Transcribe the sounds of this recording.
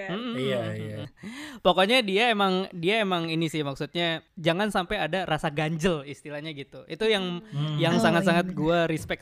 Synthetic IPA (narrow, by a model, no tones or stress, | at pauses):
m̩m̩a | pokoɲadiaemaŋdiaemaŋinisɪhmaksut̪̚ɲad͡ʒaŋansampajadarasaɡaɲd͡ʒəlist̪ilahɲaɡit̪uit̪ujaŋjaŋsaŋat̪̚saŋat̪̚ɡuaɾispɛk̚